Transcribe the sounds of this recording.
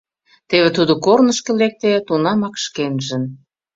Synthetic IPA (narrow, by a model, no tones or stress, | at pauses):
t̪eβĕt̪ud̪okornə̆ʃkĕlek̚t̪et̪unɑmɑkʃkenʒə̆n